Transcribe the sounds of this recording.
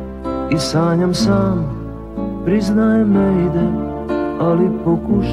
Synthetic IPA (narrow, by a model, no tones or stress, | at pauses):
isaːɲɔmsaːm | pɾiznajɛmːɛd̪ɛ | alipɔkuːʃ